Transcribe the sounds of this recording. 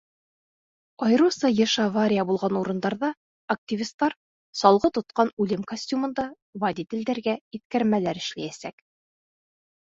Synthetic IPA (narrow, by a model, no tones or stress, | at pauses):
ɒjɤ̆ɾusɤjɘ̆ʃɑvaɾʲɪjabulˠʁɑnuɾɤ̆nd̪ɑɾðɑ | ɐk̚tʲivʲist̪ːɑɾ | sɒlˠʁɤt̪ŏt̪̚qɑnʉlɘmkosʲtʲumɤ̆nd̪ɑ | vɐd̪ʲit̪ɘ̆ld̪æɾɡæit̪kæɾmælæɾɘ̆ʃlæjæsæk